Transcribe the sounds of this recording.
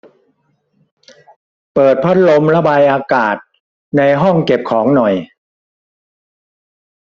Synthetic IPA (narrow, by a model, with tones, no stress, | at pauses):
pɤː˨˩t̪̚pʰa˦˥t̪̚lo˧mɾa˧baː˧jʔaː˧kaː˨˩t̪̚ | na˧jɦɔ˥˩ŋke˨˩p̚kʰɔː˩˦ŋnɔ˨˩j